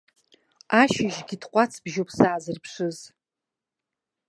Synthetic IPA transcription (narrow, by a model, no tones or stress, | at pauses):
aʃɪʒɡʲɪtʰqʷʼat͡sʰb̥ʒopʰsaːzɨrpʰʂɨz